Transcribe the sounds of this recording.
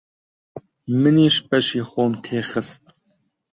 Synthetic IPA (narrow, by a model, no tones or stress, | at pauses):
mɨniːʃpɐʃiːχʷoːmt̪ʰeːχəst̪̚